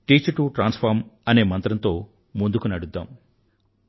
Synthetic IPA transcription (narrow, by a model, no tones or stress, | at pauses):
ʈiːt͡ʃʈuʈɾaːnspʰaːɾmɐne̞ːmɐnt̪ɾɐnt̪o̞ː | mund̪ukunɐɽud̪ːaːm